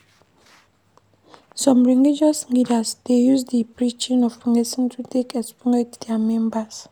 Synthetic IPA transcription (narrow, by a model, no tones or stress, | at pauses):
sɔ̃mɹiŋɡid͡ʒɔsŋidasd̥ejuzdipɾit͡ʃĩnɔvfuŋesĩntutekɛspuŋetd̥ɛamɛ̃mbas